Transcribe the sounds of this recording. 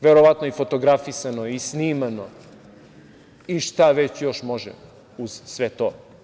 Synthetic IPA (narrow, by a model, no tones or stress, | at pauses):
ʋeɾoʋat̪noifo̞t̪o̞ɡɾafisanoisniːmano̞ | iʃt̪aʋet͡ɕjo̞ʃmo̞ʒḛm | uz̥sʋet̪o